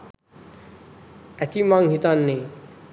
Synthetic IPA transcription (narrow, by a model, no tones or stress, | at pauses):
ɛt̪imãŋɦit̪anːe